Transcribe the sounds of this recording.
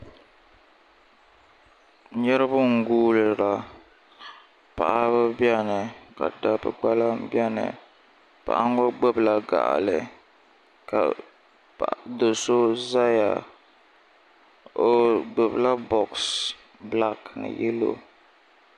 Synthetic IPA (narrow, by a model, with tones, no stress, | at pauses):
ɲɛ˦ɾɨ˦bʊ˦ŋ̩˨ɡuː˦lɨ˨ɾa˨ | pa˨ʔa˦βɨ˦bi˦ɛ˦nɨ˨ka̰˨da˦bɨ̰˦k͡pa˦la˦mbjɛ˦nɨ̰˨ | pa̰˨ʔa˦ŋ˦o˦ɡ͡bɛ˦bla˨ɡa̰˨ʔlɨ̰˨ | ka̰˨ | pa˨ʔdo˨so˦za˦ja˨ | o˦ɡ͡bɛ˨bla˦bɔ˨ks | bla˦kn̰˨jɛ˦lo̰˦˨